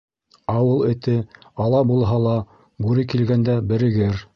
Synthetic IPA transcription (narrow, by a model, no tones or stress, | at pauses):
ɑwɤlˠɘ̆t̪ɘɑlˠɑbulˠɦɑlˠɑ | bʉɾɘkilɡænd̪æbɘ̆ɾɘ̆ɡɘɾ